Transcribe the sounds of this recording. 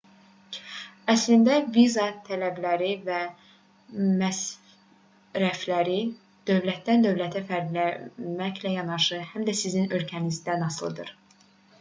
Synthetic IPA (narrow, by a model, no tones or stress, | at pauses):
æslind̪ævizɑt̪ʰælæblæɾivæ | mæs | ɾæflæɾi | d̪̥ø̞vlæt̪̚d̪ænd̪ø̞vlæt̪ʰæfæɾd̪læmæçlæjɑnɑʃɯhæmd̪æsizinø̞lcʰænizd̪ænɑslˠɯ̰d̪ɯ̰ɾ̥